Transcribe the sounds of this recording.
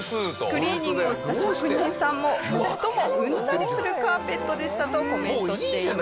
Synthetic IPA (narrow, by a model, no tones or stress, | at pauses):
kɯ̟ɾʲiːɲĩŋoɕi̥t̪aɕiokɯ̟ɲɲːĩɰ̃sãmːo̞t̪oɦoɡɯ̟̃nt͡saɾʲisɨɾɯ̟kɯaːpe̞t̪ːo̞d̪eɕi̥t̪at̪oko̞mẽ̞t̪oɕi̥t̪e